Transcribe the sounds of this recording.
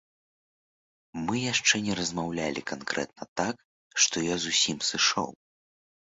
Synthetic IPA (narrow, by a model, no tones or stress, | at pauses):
mɨjaʂt͡ʂɛnʲɛɾɐzmawlʲalʲḭkankɾɛ̰t̪̚nɐt̪ak | ʂt̪ɔjɔzusʲimsɨʂɔ̰w